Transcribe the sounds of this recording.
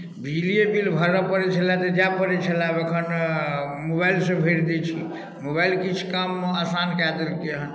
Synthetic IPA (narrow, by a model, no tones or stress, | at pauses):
bʱiliebilbʱəɾəpəɾɛt͡ʃʰəlat̪əd͡ʒapəɾɛt͡ʃʰəlabekʰən | mobailsẽbʱeɾd̪ɛt͡ʃʰḭ | mobailkit͡ʃʰkamasankat̪elkeɦən